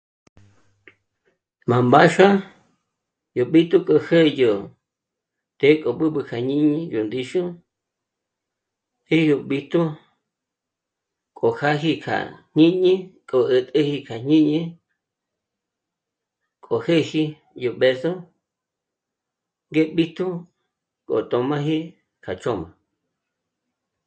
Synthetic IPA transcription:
mã˨mba˦ʃa˦ | jo˨ɓi˦t̪u˦kʼo˧he˦jo˨ | t̪e˦kʼo˨ɓɨ˦ɓɨ˧kʰa˨ɲĩ˦ɲĩ˧jo˨nd̪i˧ʃu˦ | hi˦jo˨ɓi˧t̪u˦ | kʼo˨ha˦ɦi˧kʰa̰˨ɲ̥ĩ˦ɲĩ˦kʼo˨ʔə˧t̪ʼə˦hi˧kʰa˨ɲ̥ĩ˦ɲĩ˧ | kʼo˨he˦hi˧ | jo˨ɓe˧so˦ | ŋɡe˦ɓi˦t̪u˦ | kʼo̰˨t̪ʼo˧mã˦ɦi˦ | kʰa˨t͡ʃo˦mã˨

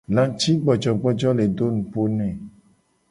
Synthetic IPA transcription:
lã˨˦t͡ʃi˦ɡ͡bɔ˨d͡ʒɔ˨ɡ͡bɔ˦d͡ʒɔ˦le˨do˦nũ˨po˦nɛ̃˨

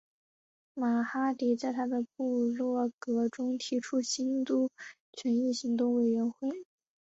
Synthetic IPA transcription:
ma˨˩xa˥t̪i˨˩t͡sa˥˩ɪt̪ʰa˥d̪ə˨pu˥˧lwɔ˥˩kɤ˧˥ʈ͡ʂʊ˥ŋt̪ʰi˧˥ʈ͡ʂʰu˥ɕi˥nt̪u˥˩ | t͡ɕʰɥɛ˧˥ni˥˩ɕi˧˥ŋt̪ʊ˥˩ŋwe˨˩ɪɥɛ˧˥nxwe˥˩ɪ

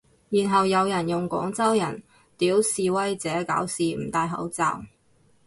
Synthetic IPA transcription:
jiː˨˩nɦɐ˨wjɐ˨˧wjɐ˨˩njʊ˨ŋkɔ̰ː˨˥ŋt͡sɐ˥wjɐ˨˩n | t̪iː˨˥wsiː˨wɐ˥jt͡sɛː˨˥ka̰ː˨˥wsiː˨m̩˨˩t̪aː˧jɦɐ̰˨˥wt͡sa̰ː˨w

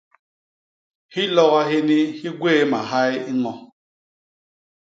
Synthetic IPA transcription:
hi˦lɔ˦ɣa˦ɦe˦ni˦hi˦ɡwe˦ma˨ɦa˦ji˦ŋɔ˨

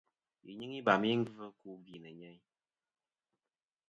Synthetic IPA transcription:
i˨ɲɨ˦ŋi˦ba˨m˦i˦ŋ̩˦vɨ˦ku˦ɡi˨nə˨ɲɛ˦ɲ

